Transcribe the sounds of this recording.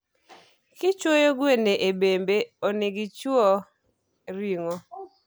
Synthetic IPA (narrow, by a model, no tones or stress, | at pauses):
kɪt͡ʃwojoɡweneʔebembeoniɡit͡ʃɔ | ɾiŋo